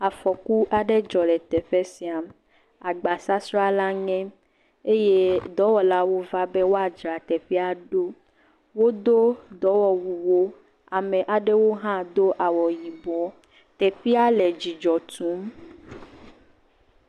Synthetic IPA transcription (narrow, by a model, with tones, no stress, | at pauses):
a˨fɔ˨ku˦ʔa˨ɖe˦d͡ʒɔ˨lɛ˨t̪ɛ˨ɸe˦si˨˦a˨m | a˨ɡ͡ba˨sa˦sɾa˦la˦ŋɛ̃˦ | e˦je˦d̪ɔ˨˦wɔ˨la˦wo˦va˦be˦wo˦a˨d͡ʒɾa˨t̪ɛ˨ɸi˦a˨ɖo˦ | wo˦d̪o˦d̪ɔ˨˦wɔ˨wu˨wo˦ | a˨mɛ̃˨ʔa˨ɖe˦wo˦ɦã˦d̪o˦ʔa˨wɔ˨ji˨bɔ˨˦ | t̪ɛ˨ɸi˦a˦lɛ˨d͡ʑi˨d͡ʒɔ˨t̪ũ˨˦m